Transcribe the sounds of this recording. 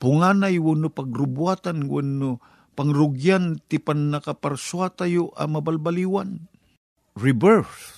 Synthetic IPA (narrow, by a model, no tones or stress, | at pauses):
pʊŋanajwʊnʊpɐɡɾʊbuat̪anwuno | paŋɾʊɡjant̪ɪpanːakapaɾswat̪ajoʔa̰mabalbaliwan | ɾɪbɛɾf